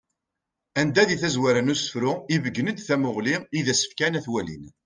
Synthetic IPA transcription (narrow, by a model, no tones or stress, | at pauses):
ænd̪æðiθæzwæɾənusə̥fɾʊivəɡːənəd̪θæmʊʁliiðæsə̥fkænæθwælḭn